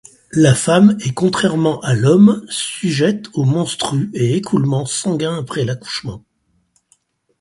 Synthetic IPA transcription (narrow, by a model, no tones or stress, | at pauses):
lafamɛkɔ̃t̪χɛʁmɑ̃ʔalɔmsyʒɛt̪omɔ̃st̪χyeekʰulmɑ̃sɑ̃ɡʲɛ̃apχɛlaku̥ʃmɑ̰̃